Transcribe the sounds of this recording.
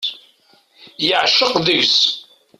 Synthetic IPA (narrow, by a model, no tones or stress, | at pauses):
jəʕʃəqðəʝs